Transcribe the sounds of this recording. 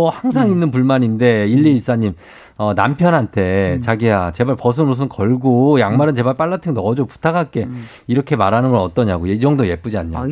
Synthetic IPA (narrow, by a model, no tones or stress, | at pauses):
ʌhaŋs̬ʰaŋinːɯnp̬uɭmaɲinde̞iʎːiːs͈aɲim | ʌna̰mpʰjʌnɦantʰe̞t͡ɕaɡiat͡ɕe̞baɭpʌs̬ʰɯnɾos̬ʰɯnkʌɭɡojaŋmaɾɯnt͡ɕe̞βaɭp͈aɭːatʰɯŋnʌd͡ʑopu̥tʰaɡak͈e̞ | iɾʌkʰe̞maɾanɯnɡʌɾʌt͈ʌɲaɡojed͡ʑʌŋdoje̞p͈ud͡ʑiaɲɲo̰